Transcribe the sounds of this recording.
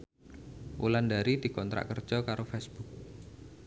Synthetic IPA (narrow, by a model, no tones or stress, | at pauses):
ʔṵlandaɾid̪̥i̤kɔnt̪ɾa̰ʔkərd̥d͡ʒ̥ɔkaɾofesb̥ʊk̚